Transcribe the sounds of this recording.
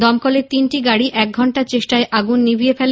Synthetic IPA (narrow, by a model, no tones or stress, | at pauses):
d̪ɔmkoleɾt̪inʈiɡaɽiʔɛk̚ɡʱɔɳʈaɾt͡ɕeʃʈaeʔaɡunːibʱiefɛl